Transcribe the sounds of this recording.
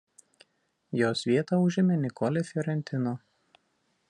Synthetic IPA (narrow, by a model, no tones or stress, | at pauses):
joːsʋʲiɛt̪ɑʊʒʲɪmʲɛnʲɪkʰɔlʲɛfʲjɔɾʲɛnʲt̪ʲɪno